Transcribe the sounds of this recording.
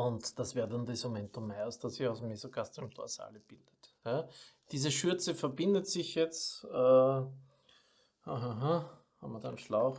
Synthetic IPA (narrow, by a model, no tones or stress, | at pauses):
ʊntd̥asveːɐdandɛsmomɛntʊmːɛɐsd̥asɪçaʊsmːezokastmtʰo̰ɐsa̰ːləb̥ild̥ətjad̥iːzəʃyɐt͡səfɐbɪndətsɪçjɛt͡staː | haɦaɦa | ha̰mːɐdanʃlaʊx